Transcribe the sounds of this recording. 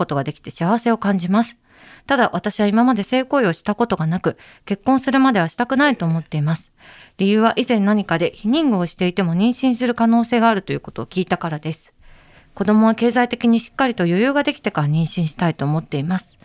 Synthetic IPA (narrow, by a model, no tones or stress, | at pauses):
o̞t̪o̞ɡad̪e̞kʲi̥t̪e̞ɕiaβ̞ase̞o̞kãɲ̟d͡ʑimasɨ̥ | t̪ad̪aβat̪aɕiβaimamad̪e̞se̞ːko̞ːio̞ɕi̥t̪ako̞t̪o̞ɡanakɯ̟ | ke̞kːõ̞ɰ̃sɨɾɯ̟mad̪e̞βaɕi̥t̪akɯ̟nait̪o̞ːmo̞t̪ːe̞imasɨ̥ɾʲijɯ̟ːβaʔizẽ̞nːaɲ̟ikad̪e̞çiɲ̟ĩŋɡɯ̟o̞ɕi̥t̪e̞it̪e̞mo̞ɲ̟ĩɰ̃ɕĩɰ̃sɨɾɯ̟kano̞ːse̞ːɡaːɾɯ̟t̪o̞jɯ̟ːko̞t̪o̞ːkʲiːt̪akaɾad̪e̞sɨ̥ | ko̞d̪o̞mo̞β̞ake̞ːzait̪e̞kʲiɲ̟iɕi̥kːaɾʲit̪o̞jo̞jɯ̟ːɡad̪e̞kʲi̥t̪e̞kaɾaɲ̟ĩɰ̃ɕĩɰ̃ɕi̥t̪ait̪o̞ːmo̞t̪ːe̞imasɨ̥